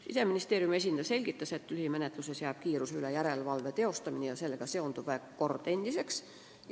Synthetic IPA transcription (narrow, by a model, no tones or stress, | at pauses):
ḭseminist̪eːrjume̞s̬ʲind̪̥ɑselʲɡ̥it̪ːɑset̪ːˑylhimenet̪ˑlusesjæːb̥̚kiːɾusylejæɾelʋɑlʋet̪eo̞st̪ɑminejɑselːɡ̥ɑseont̪uæekkort̪enʲd̪̥ise̞ks